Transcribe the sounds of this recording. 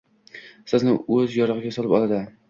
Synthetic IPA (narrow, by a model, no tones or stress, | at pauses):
sɨznɪɵzjɒɾɨʁɪɡʲasɒlɪpɒlˠad̪ɪ